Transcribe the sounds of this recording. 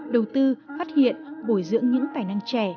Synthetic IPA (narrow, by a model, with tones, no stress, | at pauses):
ɗə˨˩wt̪ɨ˧faː˦˥t̚hḭ˧˨ənɓo˧˩jzɨ̰˧˥əŋɲɨ̰˧˥ŋt̪aː˨˩jna˧ŋt͡ɕɛ˧˩